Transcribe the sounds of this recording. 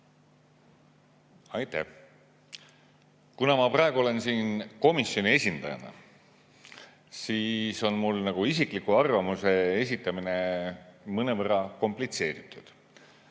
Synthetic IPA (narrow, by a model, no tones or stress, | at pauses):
ɑjt̪ːæ̰ | kunɑmɑprɑe̞ɡuole̞nsiːnko̞misjo̞nie̞sʲind̪̥ɑ̰jɑ̰nɑ̰ | siːso̞nmulnɑɡ̥uisikˑlikːuɑrvɑmuse̞es̬ʲit̪ːˑɑmine̞ | mɤnevərɑko̞mplit̪se̞ːɾit̪ːˑud̪̥